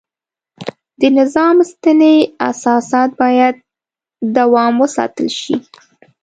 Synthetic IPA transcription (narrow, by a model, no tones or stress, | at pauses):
d̪̥ənɪzɑmst̪ənea̰sɑsɑt̪̚bɑjad̪̚ː | awɑmwəsɑ̰t̪əlʃi